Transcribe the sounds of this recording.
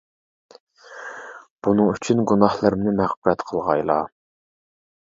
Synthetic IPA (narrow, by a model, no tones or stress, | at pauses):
b̥unɨŋyt͡ʃʰynɡunɑhlˠɨɾmnɪmæχbɾɛt̪qʰəlˠʁɑjlˠɑ̰